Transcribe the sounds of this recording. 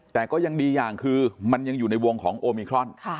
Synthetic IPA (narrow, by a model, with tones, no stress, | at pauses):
t̪ɛː˨˩kɔː˥˩ja˧ŋdiː˧jaː˨˩ŋkʰɯː˧ma˧nja˧ŋjuː˨˩na˧jwo˧ŋkʰɔː˩˦ŋʔoː˧miː˧kʰɾɔ˧˥˩nkʰa˥˩